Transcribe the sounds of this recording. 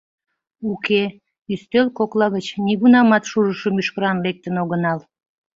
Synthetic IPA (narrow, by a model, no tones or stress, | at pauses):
ukʰe | yst̪ølkoklɑɣət͡ɕniɣunɑmɑt̪ʃuɾəʃəmyʃkəɾɑnlek̚t̪ənoɣənɑl